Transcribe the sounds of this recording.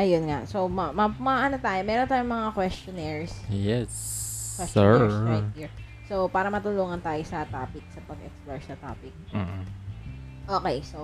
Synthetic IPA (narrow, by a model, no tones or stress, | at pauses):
ʔɐjonŋasomɐmɐmɐʔɐnot̪aːjomɛːɾont̪aːjoŋmɐŋakwɛst͡ʃonɛɹsjɛskwɛssjt̪hiɹ | sowpaːɾɐmɐt̪ʊluːŋɐnt̪aːjosɐt̪aːpɪk̚sɐpɐɡʔɛ̰ksploɹsɐt̪a̰ːpɪk̩̚ː | ʔoːkejso